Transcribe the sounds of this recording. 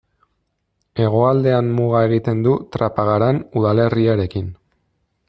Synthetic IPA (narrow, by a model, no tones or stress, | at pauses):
e̞ɣ̞o̞ald̪e̞anmuɣae̞ɣit̪e̞nd̪ut̪ɾapaɣaɾanuðale̞riaɾe̞kin